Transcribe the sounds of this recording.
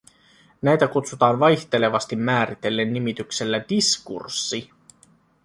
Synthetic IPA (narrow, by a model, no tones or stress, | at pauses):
næjt̪ækut̪sut̪ɑːnʋɑjçt̪e̞le̞ʋɑst̪imːæːɾit̪e̞lːe̞nːimit̪ykse̞lːædiskṵrsːi